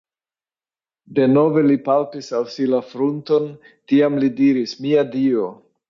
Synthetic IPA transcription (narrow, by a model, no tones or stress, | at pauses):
de̞no̞ve̞lipaltisalsilafɾunto̞n | tiamlidiɾismiadio̞